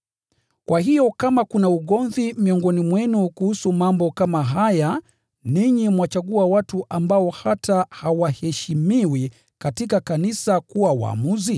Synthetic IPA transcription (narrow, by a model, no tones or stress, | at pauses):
kwʔaɦijɔkamakunauɠɔnðimiɔŋɡɔnimwɛnukuhusumambɔkamaɦaja | niɲimwat͡ʃaɠuawatuʔambaɔhatahawahɛʃimiwi | katikakanisakuwawa̰ːmuzi